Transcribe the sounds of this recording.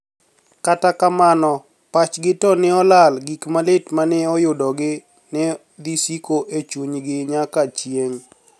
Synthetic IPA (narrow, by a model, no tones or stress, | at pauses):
katakamanɔ | pat͡ʃɡɪtɔnɪɔlalɡikmalɪtmanɪɔjʊdɔɡɪ | nɛ | d̪isikoʔet͡ʃuɲɡɪɲakat͡ʃjeŋ